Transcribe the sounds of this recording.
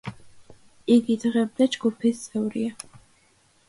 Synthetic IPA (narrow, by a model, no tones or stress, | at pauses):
iɡid̪ʁɛb̚d̪ad͡ʒɡupʰist̪sʰɛwɾia